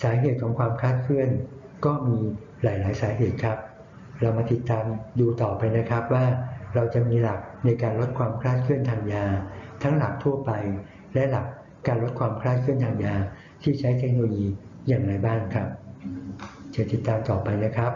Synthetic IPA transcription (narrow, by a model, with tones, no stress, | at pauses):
saː˩˦ɦeː˨˩t̪̚kʰɔː˩˦ŋkʰwaː˧mkʰaː˥˩t̪̚kʰɯ˥˩ən | kɔː˥˩miː˧ | laː˩˦jlaː˩˦jsaː˩˦ɦeː˨˩t̪̚kʰɾa˦˥p̚ | ɾa˧wmaː˧t̪i˨˩t̪ːaː˧mduː˧t̪ɔː˨˩pa˧jna˦˥kʰɾa˦˥p̚waː˥˩ɾa˧wt͡ɕa˨˩miː˧la˨˩k̚na˧jkaː˧nlo˦˥t̪̚kʰwaː˧mkʰɾaː˥˩t̪̚kʰɯ˥˩ənt̪ʰaː˧ŋjaː˧t̪ʰa˦˥ŋla˨˩k̚t̪ʰu˥˩ɐpa˧j | lɛ˦˥la˨˩k̚ː | aː˧nlo˦˥t̪̚kʰwaː˧mkʰɾaː˥˩t̪̚kʰɯ˥˩ənt̪ʰaː˧ŋjaː˧ | t̪ʰiː˥˩t͡ɕʰa˦˥jt̪ʰe˦˥k̚no˧loː˧jiː˧ | jaː˨˩ŋɾa˧jbaː˥˩nkʰɾa˦˥p̚ | t͡ɕa˨˩t̪i˨˩t̪ːaː˧mt̪ɔː˨˩pa˧jna˦˥kʰɾa˦˥p̚